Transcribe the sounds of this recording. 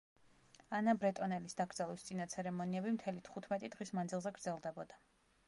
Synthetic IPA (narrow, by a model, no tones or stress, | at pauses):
anabɾɛt̪ʼɔnɛlisd̪aɡɾd̪zalˠwist̪sʼinat̪sʰɛɾɛmɔniɛbimt̪ʰɛlit̪ʰχut̪ʰmɛt̪ʼid̪̥ʁismand̪zilˠzɛɡɾd̪zɛlˠd̪ɛbɔd̪a